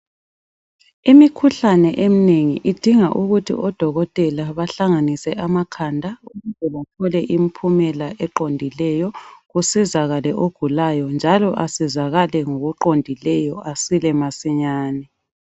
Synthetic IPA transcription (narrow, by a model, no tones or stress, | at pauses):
imikʰuɬanɛʔemineŋiʔid̥ʱiŋaʔuɣutʰḭʔɔd̥ʱɔɣɔtʼɛlaβaɬaŋanisɛʔamakʰandʱauɣuzɛβatʰɔlɛʔim̩pʰumɛlaʔɛǃondʱilɛjɔɣusizaɣalɛʔoɡ̥ʱulajɔnd͡ʒʱalɔʔasizaɣalɛŋoɣuǃondʱilɛjɔʔasilɛmasiɲaːnɛ